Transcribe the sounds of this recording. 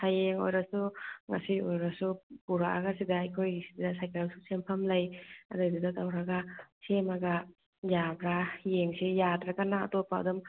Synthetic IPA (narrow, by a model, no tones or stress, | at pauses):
sajeŋo̰jɾasuŋa̰siojɾasupuɾa̰ʔa̰ɡasidaːjkʰojɡisidasajkalsusempʰamlajadɯjdudatawɾaɡasemaɡa | jabɾajeŋsijadɾakana̰ːtopːa̰ːdum